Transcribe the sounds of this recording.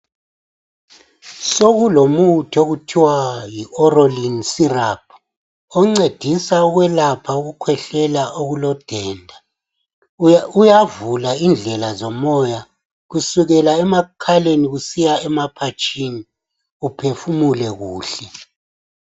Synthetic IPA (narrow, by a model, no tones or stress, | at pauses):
soɣulomutʰioɣutʰiwajiʔɔrolinsirapʰu̥ | ɔŋ͡ǀed̥ʱisauɣwɛlapʰauɣukʰwɛɬɛlaʔoɣulɔd̥ʱɛːndʱa | ujavulaind͡ɮʱɛlazɔmɔja | ɣusuɣɛlaɛmakʰaleniɣusijaɛmapʰat͡ʃʼini | upʰefumulɛɣuːɬɛ